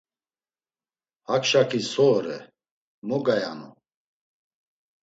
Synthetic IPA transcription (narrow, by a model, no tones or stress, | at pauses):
hakʃakʰisɔːɾɛ̰ | mɔɡaja̰nu